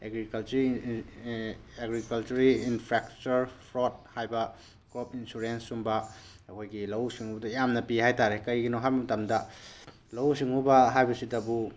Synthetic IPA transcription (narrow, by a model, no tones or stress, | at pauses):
eɡɾikɐlt͡ʃɾ | eɡɾikɐlt͡ʃuɾiːnpʰɾek̚t͡ʃuɾpʰɾot̚hajbɐ | ɡ̥ɾopinsuɾensumbɐː | kʰojɡilɐwsiŋubɐdɐjamnɐpihajtaɾekɐjɡinoɦajbɐmɐtamdɐ | lɐwsiŋubɐɦajbɐsidɐbu